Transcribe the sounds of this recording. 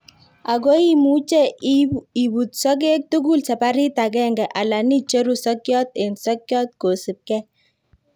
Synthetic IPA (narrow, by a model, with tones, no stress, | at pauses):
a˨ɡo˦i˦mu˦t͡ʃɛ˦ | i˨bu˨t̪sɔ˦k̬e˦k̚tu˦ɡu˦lsa˨pa˦ɾi˦ta˨kɛ˦ŋɡɛ˨ʔa˨la˨ni˦t͡ʃe˦ɾu˨sɔ˦kjɔ˦t̪̚e˨nsɔ˦kjɔ˦t̪̚ko˨si˨p̚kɛ˦